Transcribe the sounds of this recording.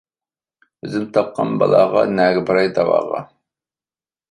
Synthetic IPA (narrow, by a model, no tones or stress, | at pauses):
ɵzɪmt̪ʰɑp̚qʰɑnbɑlˠɑʁɑ̰næːɡʲɪbɨɾɑjd̪ɑwɑ̰ʁɑ̰